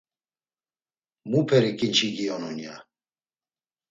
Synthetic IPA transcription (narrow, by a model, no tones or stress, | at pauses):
mupʰɛɾikʼint͡ʃʰiɡiɔnɔnija̰